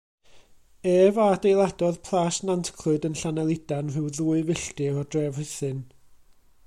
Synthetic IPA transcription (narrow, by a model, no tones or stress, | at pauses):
eːvadejlˠadɔðpʰlˠasnantʰkʰlɨdənɬanɛlˠɪd̥anrɨwðuːɨvɪɬtɪɔdrɛvrɨθɨn